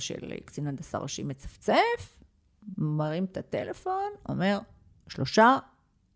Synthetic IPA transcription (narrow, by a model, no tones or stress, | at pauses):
ʃḛlkt͡sinand̪asa̰ʁaʃimet͡sḁft͡sef | maʁimet̪at̪elefo̞no̞̰me̞ʁ | ʃlo̞ʃa